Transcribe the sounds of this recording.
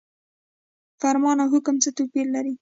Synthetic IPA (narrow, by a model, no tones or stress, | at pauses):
faɾmɑnawɦʊkʊmt͡sət̪opilːaɾi